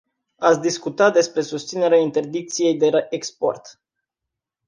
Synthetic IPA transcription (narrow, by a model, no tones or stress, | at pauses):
at̪sʲd̪iskut̪at̪̚d̪e̞spɾe̞sust̪sine̞ɾeaint̪e̞rd̪ik̚t̪sije̞jd̪e̞ʔekspo̞̰rt̪